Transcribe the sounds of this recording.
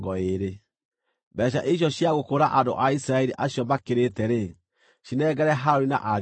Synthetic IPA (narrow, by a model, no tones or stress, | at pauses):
ɡɔeɾe | bɛɕ̬aʔeɕ̬ɔɕjaɣokoɾaʔando̰ʔaisɾaɛɾiʔaɕjɔbakeɾetɛɾe | ʃinɛɣɛɾɛɦaɾoɾina̰ʔa